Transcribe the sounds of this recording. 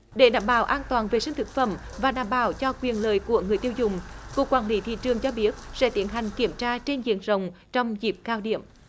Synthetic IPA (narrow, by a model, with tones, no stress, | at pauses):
ɗe˧˩ɗa̰ː˧˩mɓaː˧˩wʔaː˧nt̪waː˨˩nve˨˩sï˧ŋ̟t̪ʰɨ˨˩k̚fə̰˧˩m | vaː˨˩ɗaː˧˨˦mɓaː˧˩wt͡ɕɔ˧kwi˨˩ənləː˨jku˧˩əŋɨ˨˩əjt̪i˧ə˧wzʊ˨˩ŋ͡mku˨˩əkːwaː˧˩nli˨˦t̪ʰḭ˧˨t͡ɕɨ˨˩əŋt͡ɕɔ˧ɓi˦˥ət̚sɛ̰˧˥t̪ḭ˨˦ənɦa˨˩jŋ̟ki˧˩əmt͡ɕaː˧t͡ɕe˧nzḭ˧˨ənzə˨˩wŋ͡mt͡ɕɔ˧wŋ͡mzi˨˩p̚kaː˧wɗḭ˧˩˨əm